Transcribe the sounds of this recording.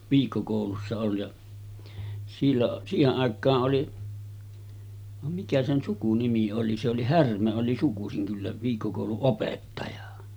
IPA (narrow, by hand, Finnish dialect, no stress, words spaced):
ʋiːkːokoˑulusːɑ ol jɑ silːoʔ siːheʔ ʔɑˑekˑɑːʔ ʔoli ʋɑm mikæ sen sukunimi oli se oli hærmæ oli sukusiŋ kylːæ ʋiːkːokoˑuluʔ ʔopetːɑjɑ